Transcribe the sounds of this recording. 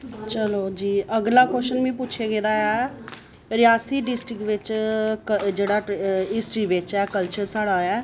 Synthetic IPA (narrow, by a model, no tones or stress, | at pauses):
t͡ʃəloːd͡ʒiːəɡlaːkɛsənmĩːpʊːt͡ʃʰeːɡeːd̪aːɛː | ɾɪjaːsiːɖɪsʈɾɪkʋɪt͡ʃkəd͡ʒeːɽaːɪsʈɾiːʋɪt͡ʃɛːkəlt͡ʃəɾsaːɽaːɛː